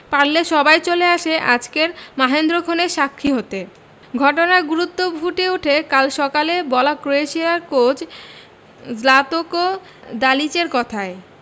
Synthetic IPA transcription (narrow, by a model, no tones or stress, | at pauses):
paɽleʃɔbajt͡ɕoleaʃeʔa̰d͡ʑkeɾmaɦend̪ɾokʰoneʃakʰːiɦot̪e | ɡʱɔʈonaɡuɾut̪ːobʱuʈeuʈʰekalʃɔkalebɔlakɾoeʃiaɾkot͡ɕ | d͡ʑlat̪oko | d̪alit͡ɕeɾkɔt̪ʰae